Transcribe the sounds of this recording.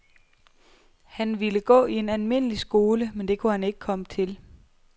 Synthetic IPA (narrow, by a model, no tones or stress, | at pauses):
hænʋiləɡ̥ɔ̰̽ːie̝nælme̝n̰əlisɡ̥o̝ːləmend̥e̝kʰuhæne̝ɡ̥ə̥kʰɒ̽mət͡sʰe̝l